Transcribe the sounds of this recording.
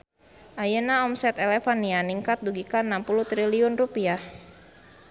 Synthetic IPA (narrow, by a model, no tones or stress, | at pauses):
ʔajənaɔmsɛt̪ɛlɛfanianiŋkat̪̚duɡikanampulut̪ɾiliunrupiah